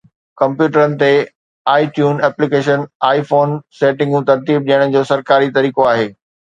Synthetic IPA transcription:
kɐ̃mpjuːʈəɾənɪ̆t̪e | aːiʈjuːnɛːplɪkeːʃənaːifoːnseːʈɪ̃ŋɡũt̪ɐɾt̪iːb̚ɗijəɽ̃d͡ʑoːsɐɾkaːɾit̪ɐɾiːkoaːɦeː

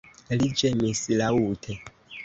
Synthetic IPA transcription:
lid͡ʒemisilauːtʰe

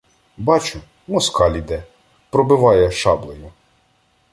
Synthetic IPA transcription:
bɑt͡ʃʊ | mɔskɑlʲid̪ɛ | pɾɔbɪʋɑjɛʃɑblˠɔjʊ

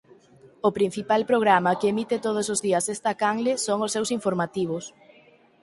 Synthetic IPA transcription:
ʊpɾin̟θipalpɾoɣ̞ɾamakemit̪ɪt̪oð̞ʊsozðiɐsest̪akaŋlesoŋʊsːewsiɱfoɾmat̪iβ̞ʊs

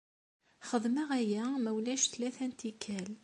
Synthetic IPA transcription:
χəðˤməʁæjæməwlæʃθlæθænt̪ikʰːæl

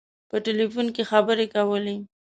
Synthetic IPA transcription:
pəʈelifunkexabəɾekawəle

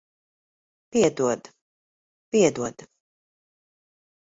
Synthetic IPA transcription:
piɛd̪uɔd̪ | piɛd̪uɔd̪̥

